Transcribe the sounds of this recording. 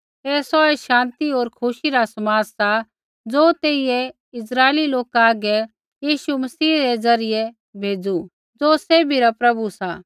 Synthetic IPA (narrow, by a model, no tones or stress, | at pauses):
eːsɔɛʃãːnt̪ioːɾkʰʊʃiɾasɐmaːd͡zsa | d͡zoːt̪eːijɛ | ɪsɾaːeliloːkaːɡɛ | jiːʃumɐsiːɾɛd͡zɐɾɪjɛ | bʱeːd͡zu | d͡zoːseːbʱiɾapɾɐbusaː